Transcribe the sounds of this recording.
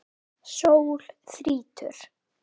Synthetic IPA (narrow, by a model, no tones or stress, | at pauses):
sowl̥θɾiːt̪ʏ̰ɾ̥